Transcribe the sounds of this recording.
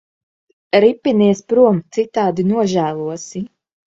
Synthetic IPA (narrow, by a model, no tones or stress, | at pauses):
ɾipːiniɛspɾuɔmt̪sit̪aːd̪inuɔʒæːlˠuɔsi